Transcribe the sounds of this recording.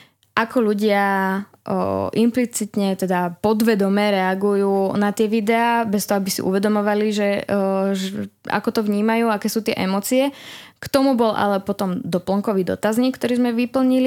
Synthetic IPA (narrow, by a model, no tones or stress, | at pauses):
ʔakɔʎuɟɪa | ʔimplit͡sit̪ɲɛt̪ɛd̪apɔd̪ʋɛd̪ɔmɛɾɛaɡujuːnat̪ɪɛʋid̪ɛaːbɛst̪ɔɦɔabisḭʔṵʋɛd̪ɔmɔʋaliʒɛʒɛa̰kɔt̪ɔʋɲiːmajuːakɛːsuːt̪ɪɛ̰ʔɛmɔːt͡siɛkt̪ɔmubɔlʔa̰lɛpɔt̪ɔmd̪ɔplŋkɔʋiːd̪ɔ̰t̪azɲiːkːt̪ɔɾiːzmɛʋipl̩ɲili